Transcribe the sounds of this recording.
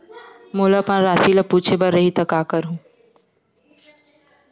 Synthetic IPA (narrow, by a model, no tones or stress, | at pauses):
moːlapãːɾaːsiləpuːt͡ʃʰebəɾːɐɦit̪ɐkaːkəɾɦũː